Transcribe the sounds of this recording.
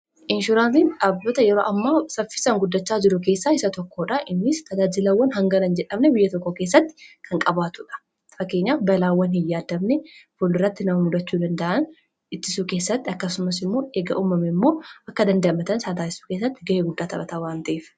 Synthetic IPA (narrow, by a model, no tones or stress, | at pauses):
ʔɪnʃʊɾaːnsiːnᶑaːbdoːt̪ɐjɛɾoːʔɐmːaːsɐfɪ̥sɐŋɡʊd̪ːɐt͡ʃːaːd͡ʒɪɾʊke̞ːsːaːɪsɐt̪ɔkːoːᶑɐʔɪnːɪst̪ɐd͡ʒaːd͡ʒɪlɐwːɐnɦɐŋɡɐnɐnd͡ʒɛᶑɐmnɛbɪjːɐt̪ɔkːoke̞ːs̬ːɐt̪ːɪ̥kʰɐŋkʼɐbaːt̪ʊᶑɐ̥ | fɐkːe̞ːɲːaːbɐlaːwːɐnhɪjːaːd̪ɐbnɛfʊlɪrːɐt̪ːɪnɐmɐmʊd̪ɐt͡ʃːuːd̪ɐnd̪ɐʔɐn | ɪt̪ːɪsuːke̞ːsːɐt̪ːɪɐkːɐsʊmɐsɪmːo̞ːeːɡɐʔuːmɐmɛmːo̞ːʔɐkːɐd̪ɐnd̪ɐʔɐmɐt̪ɐnsad̪aːɪsu̥ːkeːs̬ːɐt̪ːɪ̥ɡɐeːɡʊd̪ːaːt̪ɐbɐt̪aːwaːnt̪ɐʔeːf